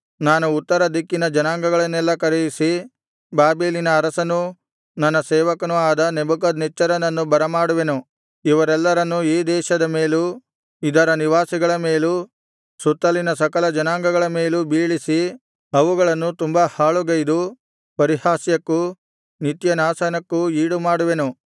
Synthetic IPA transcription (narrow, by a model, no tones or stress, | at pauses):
naːnuːt̪ːɐɾɐd̪ikːinɐd͡ʒɐnaːŋɡɐɡɐɭɐnːɛlːɐkɐɾejisi | baːbeːlinɐːɾɐsɐnu | nɐnːɐsɛːʋɐkɐnuaːd̪ɐnebuk̬ɐd̪nɛt͡ʃːɐɾɐnɐnːubɐɾɐmaːɽuʋenu | iʋɐɾɛlːɐɾɐnːuiːd̪ɛːʃɐd̪ɐmeːlu | id̪ɐɾɐniʋaːsiɡɐɭɐmeːlu | sut̪ːɐlinɐsɐkɐlɐd͡ʒɐnaːŋɡɐɡɐɭɐmeːlubiːɭisi | ɐʋuɡɐɭɐnːut̪umbɐhaːɭuɡɐjd̪u | pɐɾihaːsjɐkːu | nit̪jɐnaːsɐnɐkːuiːɽumaːɽuʋe̞nu